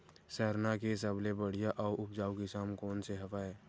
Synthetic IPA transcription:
sɛɦɾnakes̬əblebəɽ̤ijaʔɔːɾʊpd͡ʒaːukiʃaːmkɔːnseɦɐfaːeː

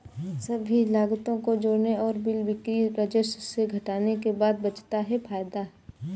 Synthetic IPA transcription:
sɐbʱilaːɡt̪õkod͡ʒoːɽneɔːɾbɪlbɪkɾiɾɐd͡ʒəsseɡʱɐʈaːnekebaːd̪̚bɐt͡ʃt̪aɦɛfʰaːjd̪aɦɛː

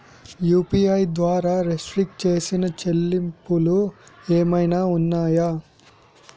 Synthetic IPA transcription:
juːpiːɐjd̪ʋaːɾaːɾesʈɾik̚ʈ̚t͡ʃe̞ːsinɐt͡ʃelːimpulueːmɐjnaːunːaːja

